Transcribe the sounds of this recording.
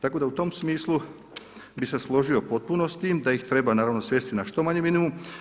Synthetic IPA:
t̪ako̞d̪aut̪o̞msmiːslˠu | bise̞slˠo̞ʒio̞po̞t̪̚puno̞st̪id̪ajixt̪ɾe̞banaːɾaʋno̞sʋje̞ːst̪inaʃt̪o̞maɲeminimum

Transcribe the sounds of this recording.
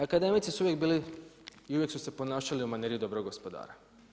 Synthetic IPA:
akad̪e̞mit̪sisuuʋjek̚biːliiuʋjeksuse̞po̞naːʃaliumaneɾijid̪o̞bɾoɡo̞spod̪a̰ːɾa

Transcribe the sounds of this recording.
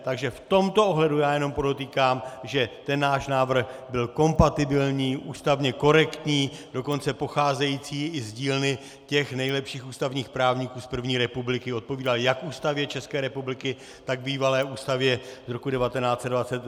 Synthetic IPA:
t̪aɡʒɛft̪o̞mt̪ooɦlɛdujaːjɛno̞mpodot̪iːkaːmʒɛt̪ɛnːaːʃnaːvr̩xbɪlko̞mpat̪ɪbɪlɲiːʔuːst̪avɲɛko̞ɾɛkt̪ɲiːdo̞ko̞nt͡sɛpo̞xaːzɛjiːt͡siːɪzɟiːlnɪ | cɛxnɛjlɛpʃiːxuːst̪avɲiːxpɾaːvɲikuːspr̩vɲiːɾɛpublɪkɪo̞t̪̚po̞viːdaljakʔuːst̪avjɛt͡ʃɛskɛːɾɛpublɪkɪ | t̪aɡbiːvalɛːʔuːst̪avjɛzɾo̞kudɛvat̪ɛnaːt͡sɛd̪dvat͡sɛt̪

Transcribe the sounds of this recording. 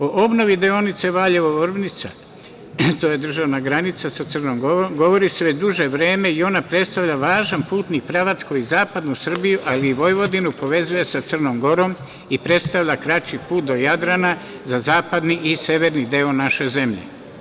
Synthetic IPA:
oʔobno̞ʋid̪eo̞nit̪se̞ʋaːʎe̞ʋoʋɾbnit̪sa̰ | t̪oːje̞d̪r̩ʒaʋnaɡɾanit̪sasat̪sɨrnomɡoomɡo̞ʋo̞ɾise̞ʋet͡ɕd̪uʒe̞ʋɾe̞ːme̞io̞napɾe̞t̪st̪aʋʎaʋaːʒanpuːt̪nikpɾaʋat̪skuizaːpad̪nusɨr̩bijuʔaliːʋo̞jʋo̞d̪inupo̞ʋe̞zuje̞sat̪sɨr̩nomɡo̞ɾo̞m | ipɾe̞t̪st̪aʋʎʲakɾat͡ʃipuːt̪̚d̪o̞jad̪ɾana | zazaːpad̪niʔise̞ʋe̞ɾnid̪eonaʃe̞ze̞mʎḛ

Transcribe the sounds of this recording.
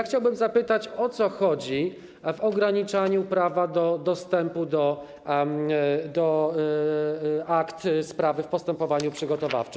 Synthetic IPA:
axt͡ɕawbɘmzapɘt̪at͡ɕɔt̪sɔxɔd͡ʑi | vɔɡɾaɲit͡ʂaɲupɾavad̪ɔd̪ɔst̪ɛmpud̪ɔ | d̪ɔ | akt̪spɾavɘfpɔst̪ɛmpɔvaɲupʂɘɡɔt̪ɔva̰ft͡ʂɘ

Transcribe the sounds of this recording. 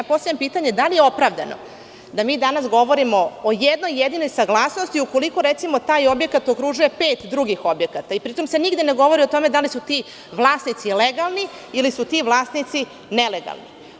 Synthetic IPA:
apo̞st̪aampiːt̪aɲed̪alijeo̞pɾaʋd̪ano̰ | d̪amiːd̪anasɡo̞ʋo̞ɾimo̞ːjed̪no̞jːed̪ino̞jsaɡlˠaːsno̞st̪iuko̞liko̞ɾet̪simo̞t̪aːjo̞bje̞kat̪okɾuʒuje̞peːt̪d̪ɾuɡixo̞bje̞kat̪aipɾit̪omse̞niɡd̪ene̞ɡo̞ʋoɾiot̪o̞me̞d̪alisut̪i | ʋlˠaːsnit̪sileɡalˠni | ilisut̪iʋlˠaːsnit̪si | neleɡa̰lˠni

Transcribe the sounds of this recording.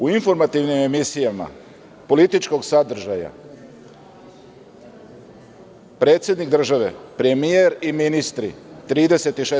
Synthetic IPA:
uinfo̞ɾmat̪iʋnime̞misijama̰ | po̞lit̪it͡ʃko̞ɡsad̪r̩ʒaja̰ | pɾe̞ːt̪sʲje̞d̪nikd̪ɾr̩ʒaʋe̞̰pɾe̞mijeɾiminist̪ɾḭt̪ɾiːd̪e̞se̞t̪iʃe

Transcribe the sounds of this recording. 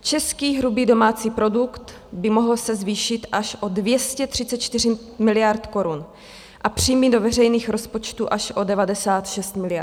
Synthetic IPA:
t͡ʃɛskiːɦɾubiːdo̞maːt͡siːpɾo̞dukt̪ | bɪmo̞ɦl̩sɛzviːʃɪt̪ʔaʃʔo̞dvjɛscɛt̪r̝̥ɪt͡sɛt̪̚t͡ʃt̪ɪr̝ɪ | mɪlɪjaɾt̪ko̞ɾun | ʔapr̝̥ijmido̞vɛrɛjniːxɾo̞spot͡ʃt̪uʔaʃʔo̞dɛvadɛsaːt̪ʃɛst̪mɪlɪa

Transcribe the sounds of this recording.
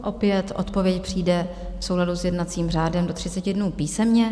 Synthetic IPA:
ʔo̞pjɛt̪ʔo̞̰t̪po̞vjɛcpr̝̥iːdɛ | fso̞wɦladusjɛdnat͡siːmraːdɛmdo̞t̪r̝ɪt͡sɛcɪdnuːpiːsɛmɲɛ

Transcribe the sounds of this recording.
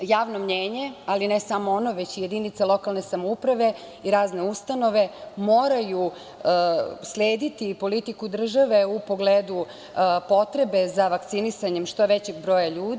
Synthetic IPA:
jaːʋnomɲeːɲe̞alinesamo̞ono̞ʋet͡ɕije̞d̪init̪salˠo̞kalne̞samoupɾaʋe̞ | iɾaːzne̞ust̪ano̞ʋe̞moːɾaju | slʲeːd̪it̪ipo̞lit̪ikud̪r̩ʒaʋe̞upo̞ɡleːd̪u | po̞t̪ɾe̞be̞zaʋak̚t̪sinisaɲemʃt̪o̞ʋet͡ɕeɡ̚bɾo̞ːjaʎuːd̪

